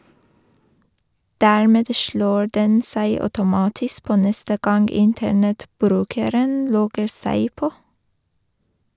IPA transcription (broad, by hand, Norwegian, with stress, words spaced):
ˈdæːɹmɛd ˈʃloː ˈɖɛn ˈsæɪ œʉtʊˈmɑːtɪsk ˈpoː ˈnɛstə ˈɡɑnɡ ˈɪntəɳɛtˌbɾʉːkəɾən ˈlɔɡəɾ ˈsæɪ ˈpoː